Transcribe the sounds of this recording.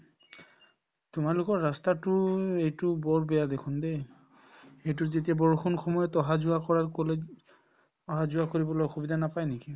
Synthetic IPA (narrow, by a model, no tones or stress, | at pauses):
tʊmalʊkɔɹːastatʊejtʊbɔɹbɛjadekʰʊnde | ejt̬ʊzetiabɔɹxʰɔnxɔmɔjɔtɔɦazuakɔɹaɹkɔle | ɔɦazuakoɹibɔlojxubidanapajneki